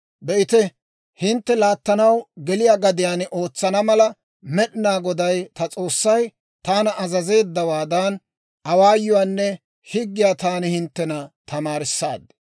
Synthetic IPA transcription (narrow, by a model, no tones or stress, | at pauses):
bɛʔɪt̪ɛ | hɪnt̪ːɛlaːt̪ːɐnɐwɡɛlɪjaːɡɐd̪ɪjaːnʔoːt͡sːɐnɐmɐlɐ | mɛɗɪnaːɡɔd̪ɐjt̪ɐt͡sʼo̞ːsːɐj | t̪aːnɐʔɐzɐze̞ːd̪ːɐwaːd̪ɐn | ʔɐwaːjːɔwaːnːɛ | hɪɡːɪjaːt̪aːnɪhɪnt̪ːɛnɐt̪ɐmaːɾɪsːa̰ːd̪